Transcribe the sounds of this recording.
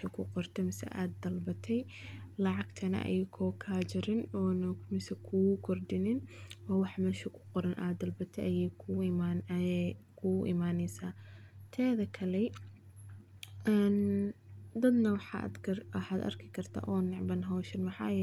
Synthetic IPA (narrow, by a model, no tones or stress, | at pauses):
ɐkʰʊqɔrt̪ʰɛmɪsɛ̰ʔaːd̪ɐlbɐt̪ʰɛj | lɑʕɑɡt̪ʰɐnɐ̰ʔɐ̰jɪkʰɔːkʰaːt͡ʃɪɾɪnɔːnɐmɪsɛkʰukʰɔrd̪ɪnɪnɔːwɑħmɛːʃɪkʰʊ̥qɔɾɐnʔa̰ːd̪ɐlbɐt̪ʰɛjʔɐjɛjkʰʊan | kʰuʔɪ̰maːnɛjsaːt̪ʰɛːðɐkʰɐlɛ | ɛn | d̪ɐd̪nɐwɑħɑ̰d̪ɐwɑħaːd̪ɐ̰rkʰɪkʰɐrt̪ʰa̰ːʔɔːnɪʕbɐnɦɔːʃɐnmɐħɑ̰ːjɛ